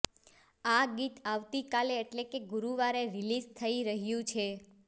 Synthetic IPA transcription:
aɡit̪aʋt̪ikaleːʈlekeɡuɾuʋaɾeɾilizt̪ʰəiɾəɦjũt͡ʃʰe

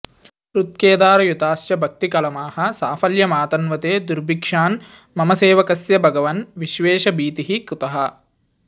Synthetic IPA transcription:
ɾut̪̚keːd̪aːɾɐjut̪aːsjɐbʱɐk̚t̪ikɐlɐmaːhɐ̆saːfɐljɐmaːt̪ɐnʋɐt̪eːd̪uɾbʱikʂaːn | mɐmɐseːʋɐkɐsjɐbʱɐɡɐʋɐnʋiʃʋeːʃɐbiːt̪iɦikut̪ɐɦɐ̆

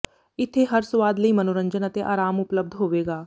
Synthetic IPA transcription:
ɪt̪ʰːeɦɐɾsʊʋaːd̪ləimənoːɾə̃ɲd͡ʒənət̪eʔaːɾaːmʊpləb̚d̪ʱɦoːʋeːɡaː

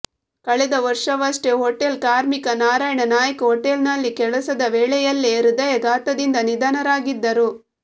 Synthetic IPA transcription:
kɐɭɛd̪ɐʋɐɾʂɐʋɐʂʈeɦoʈːelkaːɾmikɐnaːɾaːjɐɳɐnaːjɐkuɦɔʈːelnɐlːikɛɭɐsɐd̪ɐʋeːɭɛjɐlːeɾud̪ɐjɐɡ̪aːt̪ɐd̪ind̪ɐnid̪ɐnɐɾaːɡid̪ːɐɾu

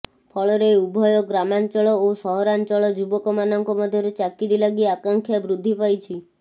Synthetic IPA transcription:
pʰɔɭɔɾeubʱɔjɔɡɾamant͡ʃɔɭɔosɔɦɔɾant͡ʃɔɭɔd͡ʒubɔkɔmanɔŋkɔmɔd̪ʱjɔɾut͡ʃakiɾilaɡiakaŋkʰjabɾud̪ʱːipajt͡ʃʰi

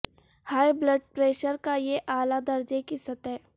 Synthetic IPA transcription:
haːjblɐɖ̚pɾeːʃəɾkajeʔaːlad̪ɐɾd͡ʒekisɐt̪ɛː

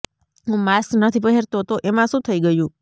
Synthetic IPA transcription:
ɦũmasnət̪ʰipəɦeɾt̪oɦət̪oʔemãʃũt̪ʰəiɡəjũ

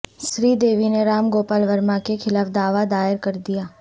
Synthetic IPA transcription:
sɾiːd̪eːʋineɾaːmɡoːpaːlʋəɾmakekʰɪlaːfd̪aːʋad̪aːɪɾkɐɾd̪ijaː

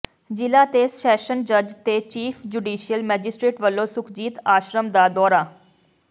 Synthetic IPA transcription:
d͡ʒɪlaːt̪eːsʃɛːʃənd͡ʒəd͡ʒt̪eːt͡ʃiːpʰd͡ʒuːɖiːʃijəlmɛːd͡ʒɪsʈɾeːʈʋəlːõːsʊkʰd͡ʒiːt̪aːʃɾəmd̪aːd̪ɔːɾaː

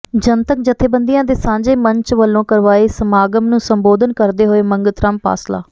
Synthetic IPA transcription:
d͡ʒənt̪ək̚d͡ʒɪt̪ʰːeːbənd̪ijãːd̪eːsãːɲd͡ʒeːməɲt͡ʃʋəlːõːkəɾʋaːeːsəmaːɡəmnũːsəmboːd̪ənkəɾd̪eːɦoːeːməŋɡət̪ɾəmpa̰ːsla̰ː

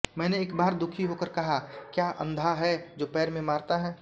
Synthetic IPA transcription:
mɛ̃ːneːkbaːɾd̪ʊkʰiɦokəɾkɐɦakjaːʔə̰̃nd̪ʱaɦɛd͡ʒoːpɛːɾmẽmaːɾt̪aɦɛː

